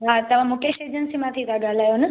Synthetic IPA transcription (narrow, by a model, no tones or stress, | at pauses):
ɦat̪əʋãmoʈeʃed͡ʒənsimãt̪ʰiɾaɡalajonə